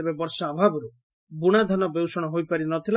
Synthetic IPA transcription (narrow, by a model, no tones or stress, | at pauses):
ebebɔɾsɔabʱabɔɾu | buɽ̃ad̪ʱanɔbewsɔɽ̃ɔɦojpaɾinɔt̪ʰil